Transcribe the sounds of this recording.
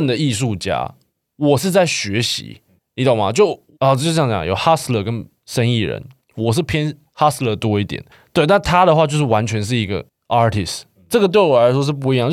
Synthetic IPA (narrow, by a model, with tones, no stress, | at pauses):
nd̪ə˨i˥˧ʂ̬u˥˩t͡ɕja̰˥ | wɔ˨˩ʂ̬ɻ̩˥˧t͡sa˥˩ɪɕɥɛ˧˥ɕḭ˧˦ | ni˧˥t̪o˨˩ŋma̰˨˩t͡ɕjo˥˩ʊ˨˩˥ | jɑ˧˩˨jɑ̰˨jo˨˩ʊxa˥slə˥˧˩kə˦n | ʂə˥ni˥˩ɻə̰˧˦n | wɔ˨˩ʂ̬̩˥˩pʰjɛ˥n | ha˥slə˥˩t̪wɔ˥i˥˩t̪jɛ̰˨˩˦n | t̪we˥˧ɪna˥˧nt̪ʰa˥d̪ə˨xwa˥˧t͡ɕjo˥˧ʊʂ̬ɻ̩˩wa˧˦nt͡ɕʰɥɛ˧˥nʂ̬ɻ̩˥˩i˧˥ɡə̰˧ | ɑ˥tʰi˨˩s | ʈ͡ʂɤ˥˩ɡə˩t̪we˥˩ɪwɔ˨˩˧ʂwɔ˥ʂ̬ɻ̩˥˧p̬u˥˩i˧˦jɑ˥˨ŋ